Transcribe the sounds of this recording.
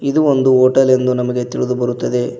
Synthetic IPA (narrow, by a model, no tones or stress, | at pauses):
id̪uo̞nd̪uoːʈɐle̞nd̪unɐmɐɡe̞t̪iɭid̪ubɐɾut̪ːɐd̪e̞